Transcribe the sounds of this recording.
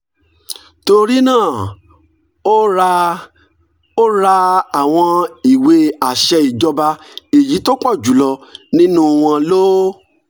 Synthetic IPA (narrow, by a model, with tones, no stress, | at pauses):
to˧ɾi˦nãː˦˨ | o˦ɾ | o˦ɾa˧a˨w̃ɔ̃˧i˨we˨˧˦a˨ʃɛ˧i˨d͡ʒɔ˧ba˧e˨ji˨˦to˦k͡pɔ˦˨d͡ʒu˨˦lɔ˧nĩ˦nũ˦w̃ɔ̃˧lo˦